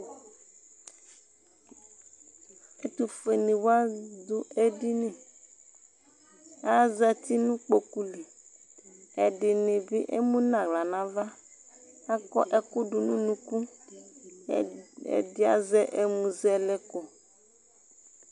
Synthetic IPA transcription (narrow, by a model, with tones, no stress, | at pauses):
e˦t̪u˨fe˨nĩ˨wo˦a˦d̪ʊ˦e˦di˦nẽ˨ | a˦zɛ˦t̪i˦nũ˦k͡po˨ku˦li˨ | ɛ˨ɖɪ˨nɪ̃˨bi˦ʔḛ˦mũ˦nã˨ɡla˨nã˨va˦ | a˦kɔ̰˦ʔɛ˨kʊ˦ɖʊ˨nũ˦nũ˦ku˦ | ɛ̰˨dɪ˦a̰˨zɛ˦ʔe˨mũ˨zɛ˨lɛ˦ko˨